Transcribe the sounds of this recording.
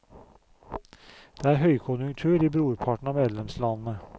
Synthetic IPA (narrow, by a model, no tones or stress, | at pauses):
d̪̥eːæːɾɦœʏkʰʊnjʉŋt̪ʰʉːɾiːbɾuːɾpʰɑʈɳ̩ɑːmeːd̪lɛmslɑnn̩ə